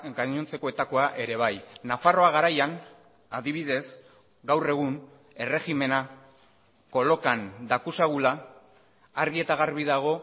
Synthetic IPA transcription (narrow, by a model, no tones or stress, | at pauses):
ɡaɲo̞nt͡se̞ko̞e̞t̪ako̞aʔe̞ɾe̞β̞ajnafaro̞aɣ̞aɾajan | aðiβiðe̞s | ɡawre̞ɣ̞uŋ | e̞re̞ɣime̞na | ko̞lo̞kand̪akusaɣulaː | ɾɣie̞t̪aɣ̞aɾβ̞iðaɣ̞o̞